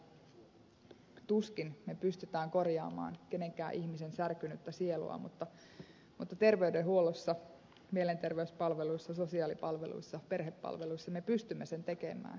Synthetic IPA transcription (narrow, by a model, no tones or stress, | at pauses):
t̪uskinmepyst̪yt̪æːŋko̞rjɑ̰ːmɑ̰ːnke̞ne̞ŋkæ̰ːʔiçmise̞nsærkynyt̪ːæsielṵɑ̰mṵt̪ːɑ | mut̪ːɑt̪e̞rʋe̞ydeɦuo̞losːɑ | mie̞le̞nt̪erʋeyspɑlʋe̞luisːɑso̞siɑːlipɑlʋelṵjsːɑpe̞rɦepːɑ̰lʋe̞luisːɑmepyst̪ymːese̞nt̪e̞ke̞̰mæ̰ːn